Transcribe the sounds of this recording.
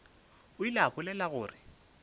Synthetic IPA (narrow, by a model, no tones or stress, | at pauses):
ʊilapʊlɛlaɣʊːrɪ